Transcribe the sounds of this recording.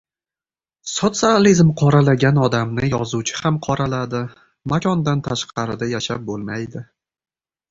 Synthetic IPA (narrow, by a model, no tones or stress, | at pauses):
sot̪sializmqʰɒɾalaɡʲanɒd̪amnɪjɒzut͡ʃʰɪ̥hamqʰɒɾalad̪ɪ | makʰʲɒnd̪ant̪ʰaʃqʰɑɾɪd̪ajaʃap̚bolˠmajd̪ɪ